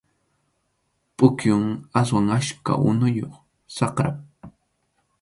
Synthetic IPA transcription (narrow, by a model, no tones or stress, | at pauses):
pʼʊkjʊŋas̬waŋaʃka̰ʔʊ̰nʊjoχ | sɑqɾap̚